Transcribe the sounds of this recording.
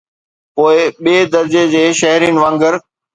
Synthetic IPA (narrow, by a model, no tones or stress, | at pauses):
poːɪɓieːd̪ɐɾd͡ʑed͡ʑeːʃɐɦɾiːnɪ̆ʋãːŋɡəɾ